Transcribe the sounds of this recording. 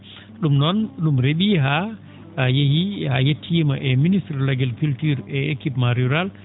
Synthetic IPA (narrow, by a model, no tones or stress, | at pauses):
ɗumnɔnɗumɾeɓiɦa | jehihajetʰːimaʔɛministɾlaɡɛlkultiɾɛekipmaɾiuɾal